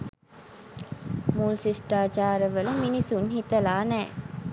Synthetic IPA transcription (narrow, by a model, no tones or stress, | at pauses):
mulsisʈaːd͡ʒaːɾəʋələminisunhit̪əlaːnɛː